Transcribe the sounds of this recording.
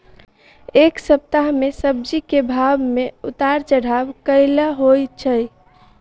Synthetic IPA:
eksəp̚t̪aɦmesəb̚d͡ʒikebʱabmeut̪aɾt͡ʃəɽ̤abkəɪləɦojt͡ʃʰə

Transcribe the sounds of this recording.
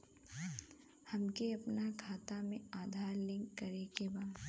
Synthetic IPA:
hɐmkeɐpnakʰaːt̪amẽaːd̪ʱaːɾlɪ̃ŋkːɐɾekebaː

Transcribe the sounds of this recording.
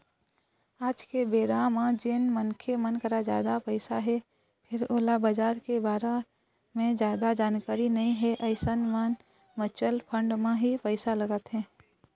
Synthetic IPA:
aːd͡ʒkebeːɾamãd͡ʒenmənkʰemənkəɾad͡ʒja̰ːd̪apəɪsaɦɛ | pʰɪɾoːlabad͡ʒaːɾkebaːɾa | mẽd͡ʒjaːd̪ad͡ʒaːnkaːɾinɐɦĩɦɛʔɐɪsənman | mət͡ʃəlpʰə̃ɳɖmẽɦipəɪsaləɡət̪ɦɛ̃ː

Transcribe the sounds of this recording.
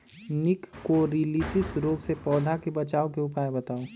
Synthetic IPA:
nɪkːoɾiliːsɪsɾoːɡsepɔːd̪ʱakebɐt͡ʃaːokeʊpaːebɐt̪aːoː

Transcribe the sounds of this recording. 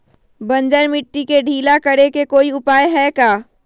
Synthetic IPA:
bɐ̃ɲd͡ʒəɾmɪʈːikeɖʱiːlakəɽekekoːiʊpaːjɦɛkaː

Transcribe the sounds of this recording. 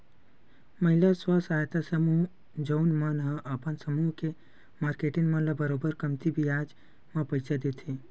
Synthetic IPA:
mɐɦɪlaswasaːjt̪asəmuɦ | d͡ʒoːnmɐnɦə̃ʔɐpənsəmuːɦke | maːɾkeːʈinmɐlabəɾoːbəɾkɐmt̪ibʱiaːd͡ʒ | mɐ̃pɐjsʰad̪eːt̪ʰi

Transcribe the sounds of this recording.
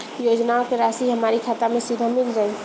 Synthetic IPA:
joːd͡ʒnaõkeɾaːsiɦɐmaːɾikʰaːt̪amẽsɪd̪ʱamɪld͡ʒaːe

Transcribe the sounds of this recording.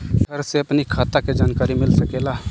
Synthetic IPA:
ɡʰəɾseɐpnikʰaːt̪aked͡ʒaːnkaːɾimɪlsəkeːla

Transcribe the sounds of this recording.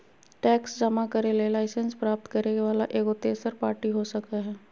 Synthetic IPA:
ʈɛːksd͡ʒɐmakɐɾelelaːɪsə̃nspɾaːp̚t̪kɐɾeɡʋaːla̰ʔeːɡot̪eːsəɾpaːɾʈiɦosɐkaɦɛː

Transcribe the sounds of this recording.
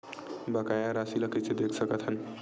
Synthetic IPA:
bəkajaɾasiləkised̪ekʰsəkət̪ɦən

